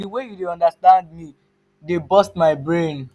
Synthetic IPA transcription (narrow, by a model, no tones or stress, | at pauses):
iwejudeɔ̃ndastãnd̚mi | debɔstmaɪbɹẽn